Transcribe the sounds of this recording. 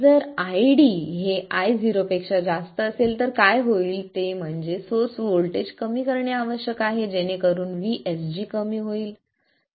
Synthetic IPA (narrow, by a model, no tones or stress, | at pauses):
d͡zəɾajɽiɦeajd͡ziɾopekʂad͡zast̪əːselt̪əɾkajɦoiːlt̪em̤əɳd͡zesoɾsʋoɭʈed͡ʑkəmiːkəɾɳjaaʋəɕjəkaɦed͡ʑenekəɾuːnʋiʔesd͡ʑiːkəmiːɦoiːl